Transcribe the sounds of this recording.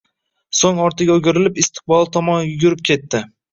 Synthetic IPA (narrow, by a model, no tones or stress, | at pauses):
soŋɒɾt̪ʰɪɡʲaoɡʲʊɾɪlɪpɪst̪ʰɪ̥q̚bɒlˠt̪ʰɒmɒnjʊɡʲʊɾɪp̚kʲʰe̞t̪ʰːɪ